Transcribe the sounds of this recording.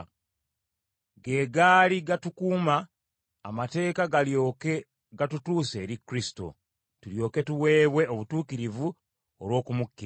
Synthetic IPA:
ɡe̞ːɡaːliɡatukuːma̰ː | mate̞ːkaɡalok | ɡatutuːse̞ːɾikːɾisi̥to̞̰ | tuljo̞ːke̞tuwe̞ːβwe̞oβutuːkiɾivu | olwo̞ːkumukːi

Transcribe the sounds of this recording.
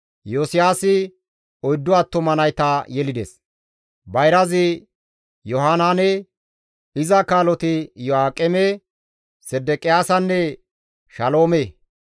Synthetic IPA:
joːsɪjaːsɪ | ɔjd̪ːɔat̪ːɔmɐnɐjt̪ɐjɛlɪd̪ḛs | bɐjɾɐzɪ | jɔɦaːnaːnɛ | ɪzɐkaːlɔt̪ɪjɔaːkʼːɛme | sɛd̪ːɛkʼɪjaːsɐnːɛ | ʃɐlo̞ːme

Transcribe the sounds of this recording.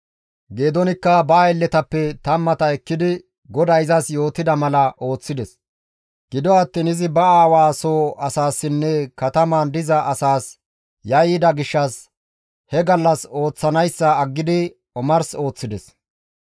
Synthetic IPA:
ɡe̞ːd̪ɔnɪkːɐbaːɛlːɛt̪ɐpːɛt̪ɐmːɐt̪ɐɛkːɪd̪ɪ | ɡɔd̪ɐjɪzɐsjo̞ːt̪ɪd̪ɐmɐlɐʔo̞ːt͡sːɪd̪ɛs | ɡ̥ɪd̪ɔɐt̪ːiːnɪzɪbɐaːwaːsoːʔɐsaːsːɪnːɛkɐt̪ɐmɐnd̪ɪzɐʔɐsaːs | jɐjːɪd̪ɐɡɪʃːɐs | hɛɡɐlːɐso̞ːt͡sːɐnɐjsːɐːɡːɪd̪ɪ | ɔmɐɾso̞ːt͡sːɪd̪ɛs

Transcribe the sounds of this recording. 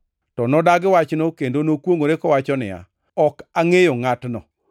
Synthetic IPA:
tɔnɔdaɡɪwat͡ʃnokendonokwoŋoɾekɔwat͡ʃɔnɪ̰a̰ | ɔkaŋejoŋatnɔ̰

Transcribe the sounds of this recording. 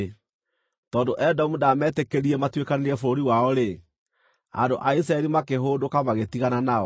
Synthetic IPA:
tɔːndoʔɛdɔmudamɛtekeɾiɛmatwekaneɾiɛfoɾoɾiwaɔɾe | a̰ndoʔais̬ɾaɛɾimakeɦoːndokamaɣetiɣananaɔ

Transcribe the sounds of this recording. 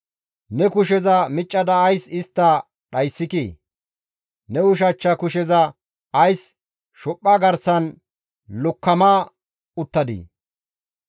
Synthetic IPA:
nɛkʊʃ̬ɛzɐmɪt͡ʃʼːɐd̪ɐːjsɪst̪ːɐ | ɗɐjsːɪkḭː | nɛʊʃ̬ɐt͡ʃːɐkʊʃɛzɐ | ɐjs | ʃɔpʼːaɡɐɾsɐn | lɔkːɐmaː | ʊt̪ːɐd̪ḭ

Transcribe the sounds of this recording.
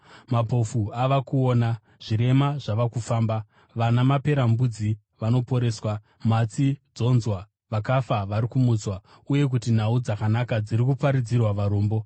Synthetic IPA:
mapo̞fuaʋakuo̞ːna | ʐ̥iɾe̞maʐaʋakufaːmba | ʋanamape̞ɾambud͡zi | ʋano̞po̞ɾe̞ːswa | mat͡sid͡zo̞nzwa | ʋakafaʋaɾikumut͡swa | uje̞k̬utin̤aud͡zakanakad͡ziɾikupaɾid͡zirwaʋaɾoːmbo̞

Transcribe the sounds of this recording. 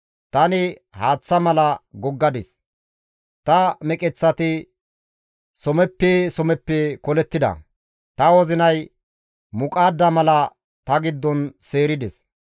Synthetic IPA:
t̪ɐnɪhaːt͡sːɐmɐlɐɡɔɡːɐd̪ɪs | t̪ɐmɛkʼɛt͡sːɐt̪ɪ | sɔmɛpːesɔmɛpːɛkɔlɛt̪ːɪd̪ɐ̰ | t̪ɐwɔzɪnɐj | mʊkʼaːd̪ːɐmɐlɐ | t̪ɐɡɪd̪ːɔnseːɾɪd̪ɛs

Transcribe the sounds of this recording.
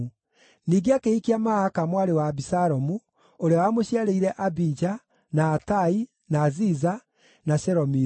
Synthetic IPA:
niːɡeakeikiamahakamwaɾewabisaɾɔmu | oɾeawamoɕiaɾeiɾɛʔabid͡ʒa | naːtai | naːziza | naɕɛɾɔmi

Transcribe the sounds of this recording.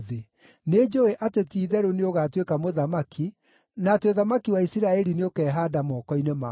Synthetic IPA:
ðe | ned͡ʒoeʔatetiːðɛɾoneoɣatwekamoðamakʰi | naːteoðamakiwaisiɾaɛɾineokɛːɦaːdamɔkɔinema

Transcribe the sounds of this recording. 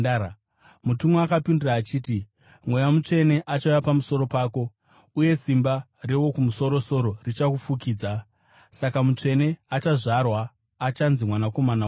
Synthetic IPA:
mutumoakapinduraːt͡ʃiːti | mwe̞jamut͡ʂe̞ne̞ʔat͡ʃaujapamuso̞ɾo̞paːko̞ | uje̞simba | rewo̞kumuso̞ɾo̞so̞ɾo̞rit͡ʃakufukiːd͡za | sakamut͡ʂe̞ne̞at͡ʃaʐarwaː | t͡ʃanzimwanako̞mana

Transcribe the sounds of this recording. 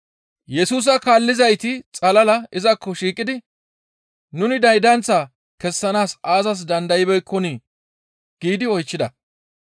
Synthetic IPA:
jɛsuːs̬ɐkaːlːɪzɐjt̪ɪt͡sʼɐlɐlɐɪzɐkʰːɔʃiːkʼːɪd̪ɪ | nʊnɪd̪ɐjd̪ɐnt͡sːɐ | kɛsːɐnaːsaːzɐs̬d̪ɐnd̪ɐjɪbɛjkʰːɔni | ɡ̥iːd̪ɪɔjt͡ʃːɪd̪ɐ

